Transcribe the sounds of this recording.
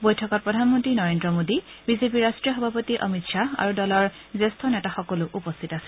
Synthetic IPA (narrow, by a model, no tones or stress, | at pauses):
bojtʰɔkɔt̚pɹɔdʱanmɔntɹinɔɹendɹɔmodi | bizepiɹastɹijɔɦɔbʱapɔtiʔɔ̰mitʃaa̰ɹudɔlɔɹ | zestʰɔnɛtaxɔkɔlʊʔupɔst̪ʰitasɛ̥